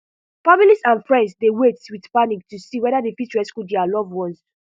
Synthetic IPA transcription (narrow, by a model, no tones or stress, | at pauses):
familisãnfɹɛ̃ndsdewetwidpanik̚tusiwɛdadepitɹɛskudɛalɔvwɔ̃ns